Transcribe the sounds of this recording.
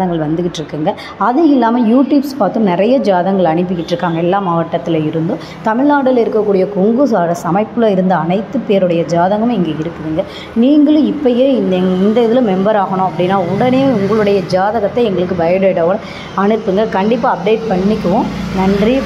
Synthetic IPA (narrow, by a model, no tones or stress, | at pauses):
ɐŋɡɐɭʋɐnd̪ɯkɪʈːɾɯkːɯːŋɡɐ | ɐðɯɪlːaːmɐjuːʈjuːbspaːɾt̪ɯ̃mnɪɾɐjɐd͡ʒaːðɐŋɡɐɭɐɳɪp̬ːɯkːɪʈːɾɯkːaːŋɡɐɛlːaːmaːʋɐʈːɐt̪ːɪlɐɪɾɯnd̪ɯ̃ | t̪ɐmɪɭnaːɽɪlɪɾɯkːɐkːuːɽɪjɐkɔŋɡɯsaːɾɐsɐmɐɪpːɪlɐɪɾɯnd̪ɐɐnɐɪt̪ːɯpeːɾɯɽɐjɐd͡ʒaːðɐŋɡɐmɛŋɡeːɪɾɯkːɯʋiːŋɡɐ | niːŋɡɐɭɯ̃ɪpːɐjeːɪnd̪ɛŋɪnd̪ɐɪðɪlɐ̃mɛmbɐɾaːɣɐɳʊ̃ːɐpːɐɽɪnːaːʊɽɐneːʊŋɡɐɭɯɽɐjɐd͡ʒaːðɐɣɐt̪ːɐɛŋɡɐɭɯkːɯbɐjɐɐɪʈɐɣɽɐ | ɐɳɯpːɯŋɡɐkɐɳɖɪpːaːɐp̚ɖeːʈ̚pɐɳːɪkːɯʋʊ̃nɐndri